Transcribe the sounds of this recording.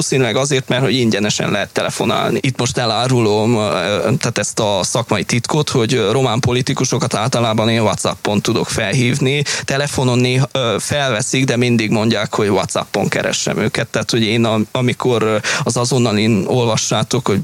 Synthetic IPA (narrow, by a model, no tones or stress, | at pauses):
oːsinylɛɡɒzeːrt̪mɛrt̪ho̞ɟiɲɟɛnɛʃɛ̰nlɛɦɛt̪ːɛlɛfo̞̰na̰ːlnḭʔit̪ːmo̞ʃt̪ɛlaːɾulomt̪aːt̪ɛst̪ɒsɒkmɒjit̪it̪kot̪ho̞ɟro̞maːmpo̞lit̪ikuʃo̞kɒt̪aːlt̪ɒlaːbɒneːnvɒt̪sɒ̰pːo̞nt̪ud̪o̞̰kfɛlɦiːvnit̪ɛlɛfo̞no̞nːeːɦfɛlvɛsiɡd̪ɛmind̪iɡmo̞ɲɟaːkho̞ɟvɒ̰t̪sɒ̰pːo̰ŋkɛ̰ɾɛ̰ʃːɛ̰mø̰ːkɛt̪ːɛat̪ho̞ɟeːnɒmikʰo̞ɾɒzɒzo̞nːɒlino̞lvɒʃːaːt̪o̞kho̞ɟ